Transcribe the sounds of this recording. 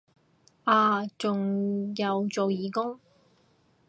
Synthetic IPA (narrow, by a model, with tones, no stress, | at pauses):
ʔaː˧t͡sʊ˨ŋjɐ˨˧wt͡so˨wjiː˨kʊ˥ŋ